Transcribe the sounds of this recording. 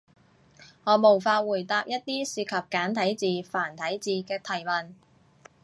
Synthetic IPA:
ŋɔː˨˧mo˨˩wfaː˧wuː˨˩jt̪aː˧p̚jɐ˥t̚t̪iː˥siː˧kʰɐ˨p̚kaː˨˥nt̪ʰɐ˨˥jt͡siː˨˧faː˨˩nt̪ʰɐ˨˥jt͡siː˨˧kɛː˧t̪ʰɐ˨˩jmɐ˨n

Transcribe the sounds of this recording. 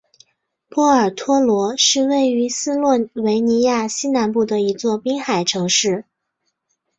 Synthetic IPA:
pwɔ˥˩ə˞˨˩t̪ʰwɔ˥lwɔ˧˥ʂɻ̩˥˧we˥˩ɪy˧˥sɹ̩˥lwɔ˥˩we˧˥ɪni˧˥ja˥˩ɕi˥na˧˥npu˥˩d̪ə˩i˧˥t͡swɔ˥˩pi˥ŋxa˨˩ɪʈ͡ʂʰɤ˧˥ŋʂɻ̩˥˩

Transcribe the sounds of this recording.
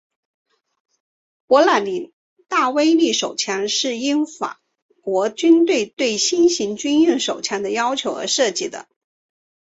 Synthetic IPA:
pwɔ˧˥la˨˩nli˨˩ | t̪a˥˩we˥ɪli˥˩ʂo˨˩ʊt͡ɕʰjɑ˧˥nʂɻ̩˥˩i˥nfa̰˨˩ | kwɔ˧˥t͡ɕy˥nt̪we˥˧ɪt̪we˥˩ɪɕi˥nɕi˧˥ŋt͡ɕy˥njy˥˩ŋʂo˨˩ʊt͡ɕʰjɑ˧˥nd̪ə˧jɑ˥ʊt͡ɕʰjo˧˥ʊə̰˧˥ʂɤ˥˧t͡ɕi˥˩d̪ə̰˩

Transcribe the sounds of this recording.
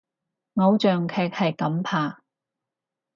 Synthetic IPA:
ŋɔ˨˧˥wt͡ʃœː˨˩ŋkʰɛː˨k̚hɐ˨jkɐ˨˥mpʰaː˨˩

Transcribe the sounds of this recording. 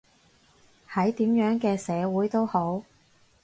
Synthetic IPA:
hɐ˨˥jt̪iː˨˥mjœː˨˥ŋkɛː˧sɛː˨˧wuː˨˥jt̪o˥who˨˥w

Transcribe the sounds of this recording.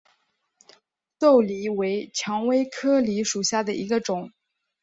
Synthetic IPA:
t̪o˥˩ʊli˧˥we˧˥ɪt͡ɕʰjɑ˧˥ŋwe˥ɪkʰɤ˥li˧˥ʂu˨˩ɕja˥˩d̪ə˩ʔi˧˥ɡə˧ʈ͡ʂʊ˨˩˦ŋ

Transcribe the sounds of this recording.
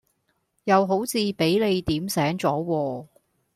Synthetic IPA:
jɐ˨˧wɦo˨˥wt͡sʰiː˨˧pe˨˥jle˨˧jt̪iː˨˥msɛː˨˥ŋt͡sɔː˨˥wɔː˧

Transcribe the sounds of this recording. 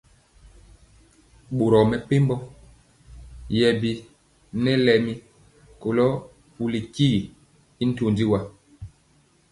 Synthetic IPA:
ɓo˨ɾɔ˨mɛ˨pe˦mbɔ˦ | jɛ˨bi˨ | nɛ˦lɛ˨mi˦ | ko˨lɔ˦ | pu˨li˨ki˦i˨ | i˦n̩˦to˨ndi˦wa˦

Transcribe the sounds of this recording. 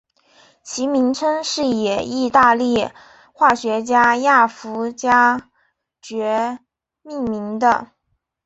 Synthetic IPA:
t͡ɕʰi˧˥mi˧˥ŋt͡sʰə˥nʂɻ̩˥˩jɛ˨˩i˥˧t̪a˥˧li˥˩ | xwa˥˩ɕɥɛ˧˥t͡ɕja˥ja˥˩fu˧˥t͡ɕja˥ | t͡ɕɥɛ˧˥ | mi˥˩ŋmi˧˥ŋd̪ə̰˧

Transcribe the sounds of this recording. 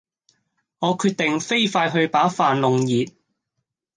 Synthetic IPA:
ŋɔː˨˧kʰyː˧t̚t̪ɪ˨ŋfe˥jfaː˧jɦɵ˧ɥpaː˨˥faː˨nlʊ˨˧ŋjiː˨t̚

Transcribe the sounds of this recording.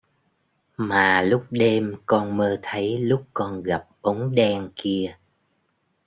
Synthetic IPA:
maː˨˩lʊ˦˥k͡p̚ɗe˧mkɔ˧nməː˧t̪ʰə˨˦jlʊ˦˥k͡p̚kɔ˧nɣa˨˩p̚ʔə˨˦wŋ͡mɗɛ˧ŋki˧ə

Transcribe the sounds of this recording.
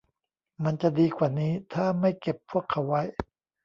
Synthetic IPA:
ma˧nt͡ɕa˨˩diː˧kʰwaː˨˩niː˦˥t̪ʰaː˥˩ma˥˩jke˨˩pʰːu˥˩əkʰːa˩˦wːa˦˥j

